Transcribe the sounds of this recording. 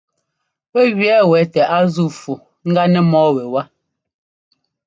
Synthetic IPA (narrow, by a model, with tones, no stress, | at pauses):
wɛ˦ɣɥɛ˦wɛ˨˦tɛ˨ʔa˦zu˦˨fu˨ | ŋ̩˦ɡa˦nɛ˦mɔː˦wɛ˨wa˦